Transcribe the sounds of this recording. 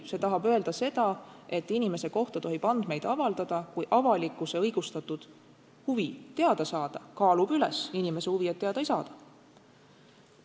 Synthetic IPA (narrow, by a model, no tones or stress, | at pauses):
se̞t̪ɑɦɑbø̞e̞ld̪ɑse̞d̪̥ɑe̞t̪ːˑinime̞se̞ko̞ht̪ɑt̪o̞ɦib̥ɑnd̪̥me̞jd̪̥ɑvɑld̪̥ɑd̪̥ɑkujʔɑvɑlikːˑuse̞ɤjɡ̥ust̪ɑt̪ːˑud̪̥ | huvit̪e̞ɑd̪̥ɑsɑːd̪̥ɑkɑːlub̥ylɛ̰sinime̞se̞huviet̪ːeɑd̪̥ɑjsɑːd̪̥ɑ̥